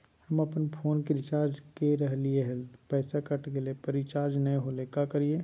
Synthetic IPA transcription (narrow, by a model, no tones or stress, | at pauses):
hɐmɐpnpʰoːnkeɾɪt͡ʃaːɾd͡ʒkeɾɐɦlieɦɛlpɛːsakɐʈkelepɐɾɪt͡ʃaːɾd͡ʒnɐeɦolekakɐɾie